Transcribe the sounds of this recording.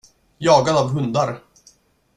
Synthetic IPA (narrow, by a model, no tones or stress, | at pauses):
jɑːɡanavɦɵnd̪aɾ